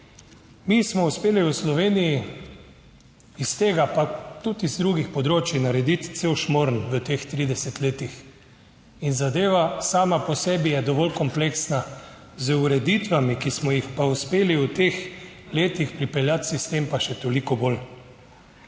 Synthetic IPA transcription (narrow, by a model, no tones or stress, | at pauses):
mismɔuspeːliuslɔʋeːniji | ist̪eːɡapat̪ut̪izd̪ɾuɡixpɔd̪ɾoːt͡ʃinaɾɛd̪it̪t̪sewʃmoɾnʋət̪ext̪ɾiːd̪ɛsɛt̪leːt̪ix | inzad̪eːʋasaːmapɔsɛːbijɛd̪ɔʋɔlkɔmpleksna | zuɾɛd̪it̪ʋamikismɔjixpauspeːliut̪exleːt̪ixpɾipɛljat̪sist̪empaʃɛt̪olikɔbol